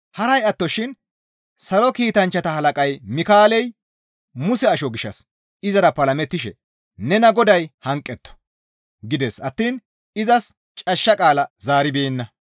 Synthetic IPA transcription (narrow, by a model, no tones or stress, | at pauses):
hɐɾɐjɐt̪ːɔʃɪn | sɐlɔkiːt̪ɐnt͡ʃːɐt̪ɐhɐlɐkʼɐjmɪkaːlɛj | mʊsɛɐʃɔɡɪʃːɐ̰s | ɪzɐɾɐpːɐlɐmɛt̪ːɪʃɛ̰ | nɛnɐɡɔd̪ɐjhɐŋkʼːɛt̪ːɔ̥ | ɡɪd̪ɛsɐt̪ːiːn | ɪzɐs | t͡ʃʼɐʃːɐkʼaːlɐzaːɾɪbeːnːɐ